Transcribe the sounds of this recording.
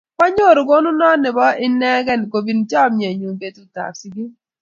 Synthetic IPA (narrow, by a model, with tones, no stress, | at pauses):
pɔ˦ɲo˦˨ɾʊ˨ɡo˦nʊ˦nɔ˦nɪ˨bɔ˦ɪ˦nɛ˦ɡɛ˦˨n˨ko˨bi˨nt͡ʃɔ˦˨mje˨ɲu˨be˨tu˦ta̰˨psɪ˦ɡɪ˦